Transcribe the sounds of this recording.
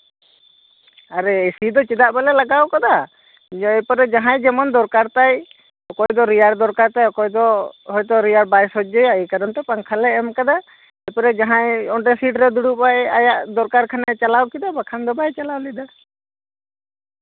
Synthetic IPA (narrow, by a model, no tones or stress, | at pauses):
aɾɛsid̪ɔt͡ʃid̪aʔbalɛlaɡawkad̪a | ɛjpɔɾɛd͡ʒaɦãjd͡ʒɛmɔnd̪ɔɾkaɾt̪aj | ɔkɔjd̪ɔɾijaɽd̪ɔɾkaɾt̪ajɔkɔjd̪ɔɦɔjt̪ɔɾijaɽbajsɔd͡ʒɔjaikad̪ɔnʈɛpaŋkʰalɛɛmkad̪a | ɛjpɔɾɛd͡ʒaɦãjɔɖɛsiʈɾɛd̪uɽupajajaʔd̪ɔɾkaɾkʰanat͡ʃalawkid̪abakʰand̪ɔbajt͡ʃalawlid̪a